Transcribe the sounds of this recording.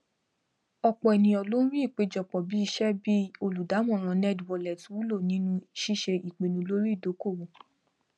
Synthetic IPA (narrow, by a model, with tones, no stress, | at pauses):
ɔ˧k͡pɔ˨ɛ˨nĩ˨ɔ˨˧lo˦ñ̩˦ɾi˦i˦˨k͡pe˨˧d͡ʒɔ˨k͡pɔ˨bi˨˦i˧ʃɛ˦bi˦o˧lu˨da˨˦mɔ̃˦˨ɾ̃ɔ̃˧˦nɛ˦dwɔ˨˧lɛ˨tu˨˦wu˦lo˦˨nĩ˦nũ˦˨ʃi˦˨ʃe˧i˨k͡pe˨nũ˧˦lo˦ɾi˦˨do˨˦ko˦˨wo˨